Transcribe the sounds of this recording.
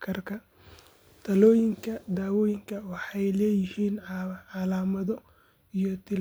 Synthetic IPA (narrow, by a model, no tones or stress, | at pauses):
kʰɐrkʰɐ | t̪ʰɐlɔːjɪŋkʰɐd̪aːwɔːjɪŋkʰɐwɑħɑjlɛːjɪhiːnʕɑlaːmɐðɔ | ijɔt̪ʰɪl